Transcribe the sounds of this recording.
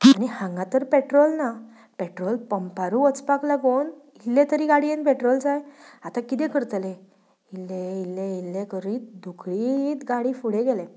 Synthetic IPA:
anihãŋɡãt̪əɾpeʈɾɔlna | peʈɾɔlpəmpaɾũət͡spaklaɡon | ilːet̪əɾiɡaɽienpeʈɾɔld͡zajat̪akit̪ẽkəɾt̪lẽ | ilːeilːeilːekəɾiːt̪̚d̪ʱukʰɽiːt̪ɡaɽiːfuɽeɡɛlẽ

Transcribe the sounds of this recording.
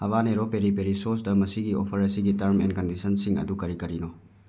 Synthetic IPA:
ɐβaneɾopeɾipeɾisoɾsdɐmɐsiɡio̰pʰɐɾɐsiɡitɐɾmenkɐndisɐnsiŋɐ̰dukɐɾikɐɾino

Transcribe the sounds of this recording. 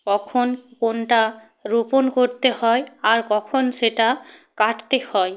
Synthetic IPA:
kɔkʰɔnkonʈa | ɹuponkoɹt̪ehɔjaɹkɔkʰɔnsetakaʈʰt̪ehɔj

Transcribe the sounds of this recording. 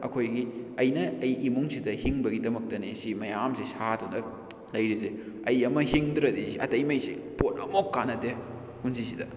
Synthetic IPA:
ɐ̰kʰojɡiɐjnɐːjʔimuŋsidɐhiŋbɐɡidɐmɐk̚tɐnisimɐjamsisatondɐ | lɐjɾize | ɐjɐmɐhiŋdɾɐdisiɐtɐjmɐjsipotɐ̰mokːanɐte | hunsisidɐ

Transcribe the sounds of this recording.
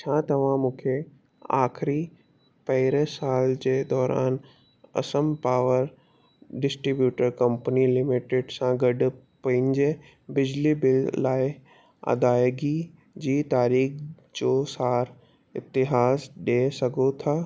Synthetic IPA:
t͡ɕʰãːt̪ɐʋ̤ãmũːkʰe | a̰ːxɪɾi | pɐɦɪɾesaːld͡ʑeːd̪ɔːɾʔa̰ːn | ɐ̰səmpaːʋəɾ | ɖɪsʈɾibjuːʈəɾkɐ̃mpənilɪmɪʈɪɖsãɡɐɖ | pɐ̃ɪ̃ɲd͡ʑe | bɪd͡ʑlibɪlːaːɪ | ɐ̰d̪aːjɡi | d͡ʑiːt̪aːɾiːx | d͡ʑoːsaːɾ | ɪ̰t̪ɪɦaːsɗeːsɐɡʱot̪ʰaː

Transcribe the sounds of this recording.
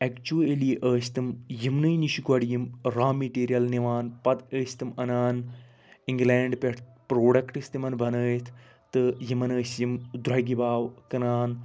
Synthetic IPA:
ɛkt͡ʃuɐliʔəːsʲt̪ɨmjimnɨjniʃikɐɽijimɾaːmiʈiːɾijɐlniʋaːnpɐd̪əːsʲt̪ɨmɐnaːn | iŋɡleːɳɖpʲeʈ̪pɾoːɽɐkʈɨsʲt̪imɐnbɐnəːjt̪ʰ | t̪ɨjimɐnəːsjimd̪ɾɐɡibaːwkɐnaːn

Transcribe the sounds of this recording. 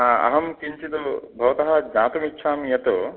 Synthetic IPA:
aɐ̰ɦɐmkiɲt͡ʃit̪obʱɐʋɐt̪ɐɦɐd͡ʒaːt̪ɐmitːʃʰaːmjɐt̪o

